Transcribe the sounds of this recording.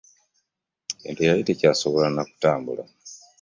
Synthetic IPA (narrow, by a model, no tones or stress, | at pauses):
ciːntʰujaitecaːso̞βolanaku̥taːmbula